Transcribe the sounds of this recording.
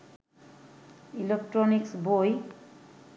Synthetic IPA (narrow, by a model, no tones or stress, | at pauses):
ilek̚ʈɾoniksboj